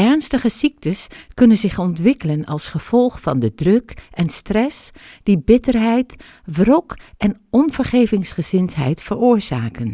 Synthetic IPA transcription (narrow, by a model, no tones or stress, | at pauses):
ɛɹnstəχəsik̚təskɵnənzɪχɔntʋɪkələnɑlˠsχəv̥ɔlˠχfɑndədrɵkɛnstrɛsd̥ibɪtəɹɦɛjt | vrɔkɛn | ɔnv̥əɹχejvɪŋsχəz̥ɪntɦɛ̰jtfəɹoːɹz̥a̰ːkən